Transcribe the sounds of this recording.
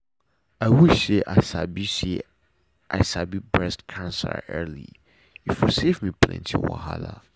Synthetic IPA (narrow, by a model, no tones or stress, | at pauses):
awiseʔasabise | ʔasabibɹɛstkʰãnsɛa̰ʔɛlḭ | ifusevmĩpʰlɛ̰̃ntʰiwa̰ɦala